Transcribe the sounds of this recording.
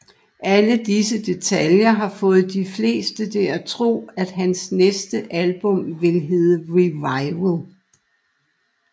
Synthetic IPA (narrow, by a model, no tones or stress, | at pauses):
ʔæləd̥isəd̥e̝t͡sʰæljɐɦɑ̈fɔ̽ːð̞̩ˠd̥ifle̝̰ːsd̥ət͡sʰe̝æt͡sʰʁo̝̰ːæd̥ɦænsnesd̥əʔælb̥ɔ̽mʋe̝lɦe̝ːðˠəʁiʋɑ̈ɪʋəlˠ